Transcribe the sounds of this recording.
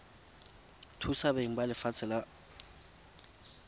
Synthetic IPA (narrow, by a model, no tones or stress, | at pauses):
tʰusabeŋ̩balɪfat͡sʰɛla